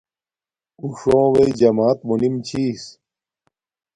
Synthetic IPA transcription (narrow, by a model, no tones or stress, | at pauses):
uʂõːweid͡ʑɐmaːt̪̚munimt͡ɕʰiːs